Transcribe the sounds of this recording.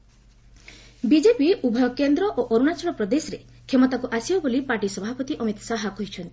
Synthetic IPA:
bid͡ʒepiubʱɔkend̪ɾɔʔoʔoɾunat͡ʃɔɽɔpɾɔd̪esɔɾe | kʰemɔt̪akuʔasibɔbolipaʈisɔbʱapɔt̪iʔɔmit̪ɔ̥saɦakoɦit͡ʃʰɔnt̪i̥

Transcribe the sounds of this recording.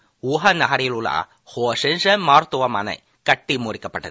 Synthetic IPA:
uɦɐnaːɾɪjɐɭula̰ | hoːʂɛnʂɐmaːɾt̪ʊʋɐmɐ̰nɐ̰ɪ | kɐʈːimoːɾɪkːɐpːɐʈːɐð

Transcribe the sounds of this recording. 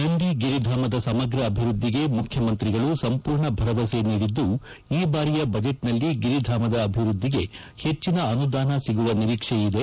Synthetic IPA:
nɐɳɖiɡiɾid̪ʱaːmɐd̪ɐsɐmɐɡɾɐːbʱiɾud̪ʱːiɡe̞mukʰjɐmɐnt̪ɾiɡɐɭusɐmpuːɾɳɐbʱɐɾɐʋɐseniːɽid̪ːu | iːbaːɾijɐbɐd͡ʒeʈnɐlːiɡiɾid̪ʱaːmɐd̪ɐːbʱiʋɾud̪ʱːiɡe̞ | he̞t͡ʃːinɐɐnud̪aːnɐsiɡuʋɐniɾiːkʂeid̪e̞

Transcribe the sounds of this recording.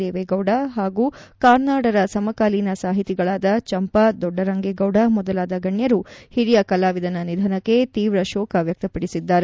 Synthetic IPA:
eːʋeɡɐwɖɐɦaːɡuː | kaːɾnaːɽɐɾɐsɐmɐkaːlinɐsaːɦit̪iɡɐɭaːd̪ɐt͡ʃɐmpɐd̪ɔɖːɐɾɐŋɡeɡɐwɖɐmɔd̪ɐlaːd̪ɐɡɐɳjɐɾuhiɾijɐkɐlaːʋid̪ɐnɐnid̪ʱɐnɐkːe̞t̪iːʋɾɐʃɔːkʰɐʋjɐk̚t̪ɐpɐɽisid̪ːaːɾe

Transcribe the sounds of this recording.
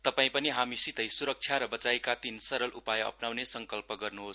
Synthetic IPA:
t̪ʌpaĩpʌniɦamisit̪ʌjsuɾʌk̚t͡sʰjaɾʌbʌt͡sajkat̪insʌɾʌlʔupajʌ̰pnawnesʌŋkʌlpʌɡʌrnuɦos

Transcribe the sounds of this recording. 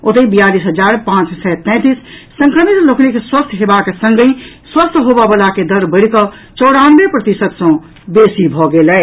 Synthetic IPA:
ot̪əĩbijalisɦəd͡ʒaɾpãt͡ʃsɛt̪ɛ̃t̪isː | ə̃ŋkɾəmit̪loknikswəst̪ʰɦebaksə̃ŋɡĩ | swəst̪ʰɦobəbəlaked̪əɾbəɽkə | t͡ʃɔɽanbepɾət̪isət̪sə̃ | besibʱɔɡelɛ

